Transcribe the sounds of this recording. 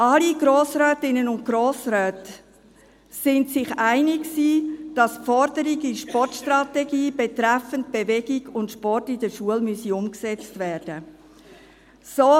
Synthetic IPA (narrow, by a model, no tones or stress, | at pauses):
ʔɑliɡɾoːsɾœːtɪnənʊnt̚ɡ̥ɾoːsɾœːt | sɪntsɪχæɪnɪksiːd̥ɑsfɔɾdəɾiɡiʃpɔɾtʃtɾɑtɛɡiːb̥ɛtɾɛfənt̚b̥ɛvɛɡɪɡʊntʃpɔrtɪdəʃuəlmyəsiʊmksɛt͡stvɛːɾd̥ə | soː